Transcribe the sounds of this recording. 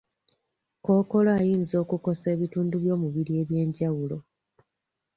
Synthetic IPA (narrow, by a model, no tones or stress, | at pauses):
ko̞ːko̞loajiːnzo̞ːkuko̞se̞ːβituːnduβjo̞ːmuβiɾie̞ːβje̞ːɲɟawulo̞